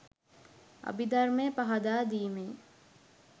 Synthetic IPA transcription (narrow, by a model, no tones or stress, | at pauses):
ɐ̰bid̪ɐɾmeːpɐɦɐd̪aːd̪iːmeː